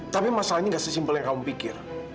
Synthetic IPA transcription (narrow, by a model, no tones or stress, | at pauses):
t̪apimasalaɲaŋɡaʔsɛsimbuliŋkaumpikɪr